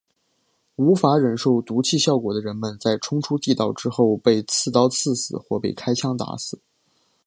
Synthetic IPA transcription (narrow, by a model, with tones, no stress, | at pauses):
u˧˥fa˧˥ɻə˨˩nʂo˥˩ʊt̪u˧˥t͡ɕʰi˥˧ɕjɑ˥˩ʊkwɔ˨˩d̪ə˦ɻə˧˥nmə˨nt͡sa˥˩ɪʈ͡ʂʰʊ˥ŋʈ͡ʂʰu˥t̪i˥˧t̪ɑ˥˩ʊʈ͡ʂɻ̩˥xo˥˧ʊpe˥˧ɪt͡sʰɹ̩˥˧˩t̪ɑ˥ʊt͡sʰɹ̩˥˩sɹ̩˨˩xwɔ˥˧pe˥˩ɪkʰa˥ɪt͡ɕʰjɑ˥ŋt̪a̰˧˥sɹ̩˨˩˦